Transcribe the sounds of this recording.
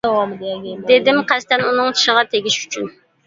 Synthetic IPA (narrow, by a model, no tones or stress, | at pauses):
d̪ʲd̪ed̪ɪmqʰæst̪ɛnunɨŋt͡ʃʰi̥ʃəʁɑt̪ʰeɡʲiʃy̥t͡ʃʰyn